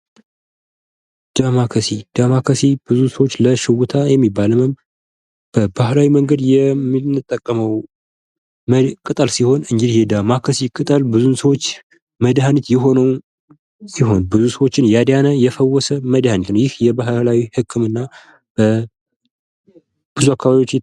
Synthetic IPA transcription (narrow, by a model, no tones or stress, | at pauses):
d̪̥amakʰəsid̪̥amakʰəsib̥ɨzusəwot͡ʃːləʃɪwut̪ʰajɛmːibːalməm | b̥əbahlawiməŋɡəd̪jɛminɨt̪ʼːəkʼːəməw | kʼɨt̪ʼəlsiho̞nɨɲd͡ʒɪd̪hed̪amakʰəsikʼɨt̪ʼəlbɨzunsəwot͡ʃː | məd̪hanit̪jɪɦo̞nəw | siɦo̞nbɨzusəwo̞t͡ʃːɪnjad̪janəjɛfəwːɔsəməd̪hanit̪nəwjɪhjɛbaɦlawihɨkʰːɨmɨnːa | b̥ə | b̥ɨzuakʰːaβaβjot͡ʃː